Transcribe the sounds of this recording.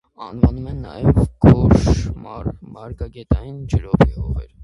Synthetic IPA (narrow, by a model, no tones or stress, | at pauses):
ɑnvɑnumɛnːɑ̰jɛvɡɔʃmmɑɾɡɑɡɛt̪ɑjind͡ʒəɾɔpihɔʁɛ̰ɾ